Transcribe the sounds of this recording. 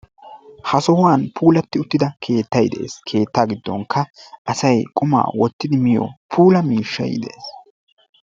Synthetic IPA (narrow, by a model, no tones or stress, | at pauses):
hɐsɔhʊwaːnpʰuːlɐt̪ːɪʊt̪ːɪd̪ɐkʰe̞ːt̪ːɐjd̪ɛʔḛːskʰe̞ːt̪ːaːɡɪd̪ːɔ̰ŋkʰːɐʔɐsɐjkʼʊma̰ːwɔt̪ːɪd̪ɪmɪjɔ̰pʰuːlɐmiːʃːɐ̰jd̪ɛ̰ʔeːs